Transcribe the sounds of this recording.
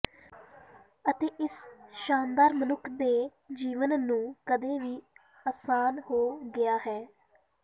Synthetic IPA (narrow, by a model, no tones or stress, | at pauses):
ət̪eːʔɪsʃaːnd̪aːɾmənʊkʰd̪eː | d͡ʒiːʋənnũːkəd̪eːʋiː | aːsaːnhoːɡɪjaːɦɛː